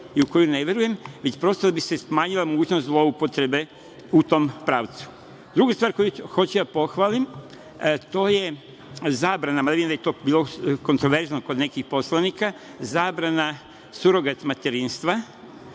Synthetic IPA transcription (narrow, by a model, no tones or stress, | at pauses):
iuko̞juneʋje̞ɾuje̞mʋet͡ɕpɾo̞st̪od̪abise̞smaːɲilamoɡuːt͡ɕnozlˠo̞upo̞t̪ɾe̞be̞ | ut̪o̞mpɾaːʋt̪su̥ | d̪ɾuɡast̪ʋaːɾko̞juxo̞t͡ɕud̪apo̞xʋalim | t̪o̞ːje̞ | zaːbɾanamaneiimd̪ajt̪o̞ːbiːlˠo̞ko̞nt̪ɾoʋe̞ɾznoko̞d̪ne̞kixpo̞slˠanika | zaːbɾana | suɾo̞ɡat̪mat̪eɾinst̪ʋa